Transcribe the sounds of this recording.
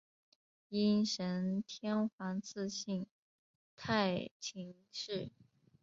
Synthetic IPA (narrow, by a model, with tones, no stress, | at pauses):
i˥nʂə˧˥nt̪ʰjɛ˥nxwɑ˧˥ŋt͡sʰɹ̩˥˧ɕi˥˩ŋ | t̪ʰa˥˩ɪt͡ɕʰi˧˥ŋ | ʂɻ̩˥˩